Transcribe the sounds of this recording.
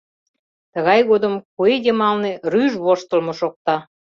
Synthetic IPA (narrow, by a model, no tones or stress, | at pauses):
t̪əɣɑjɣod̪əmkued̪ʲemɑlneryʒβoʃt̪ə̆lmoʃok̚t̪ɑ